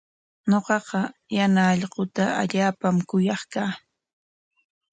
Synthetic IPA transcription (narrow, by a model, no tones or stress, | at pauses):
ɲoqɑqɑjanaːʎɢʊt̪aʔa̰ʎaːpamkʊjɑχkaː